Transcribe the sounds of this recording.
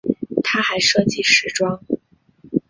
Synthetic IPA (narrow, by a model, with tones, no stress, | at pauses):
t̪ʰa˥xa˧˥ɪʂɤ˥ŋt͡ɕi˥˩ʂɻ̩˧˥ʈ͡ʂwɑ˥ŋ